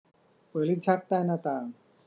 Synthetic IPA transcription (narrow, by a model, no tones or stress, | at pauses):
pəlid͡ʑʱak̚t̪ajnat̪a